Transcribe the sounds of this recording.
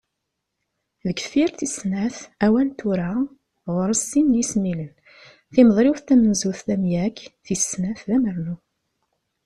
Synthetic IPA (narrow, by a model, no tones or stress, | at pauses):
ðəɡfiɾθisnæθæwælt̪uɾa | ʁʊɾəsːinːjismilən | θimðˤɾiwθt̪æmənzuθθæmjækːθisnæθðæməɾnu